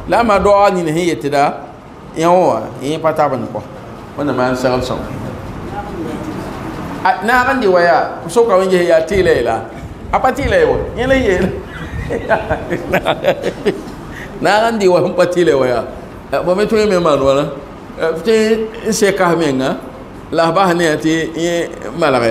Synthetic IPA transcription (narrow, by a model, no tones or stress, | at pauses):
lamadɔaɲinahɪ̃jetɪda | ãwɔwa̰ipatabɨnɪkɔ̰ | manamansɛɣəlsɔ̰ŋa̰ | anakandɪwajasokamɪnd͡ʒeɪjatiːlajila̰ | apatiːlajwaɛlajela | ana | naːkandiwaim̩patilawaja | fometoememanuwala | ften̩sɛkahmeŋːa | lahbahnɪatiɛmalaɣa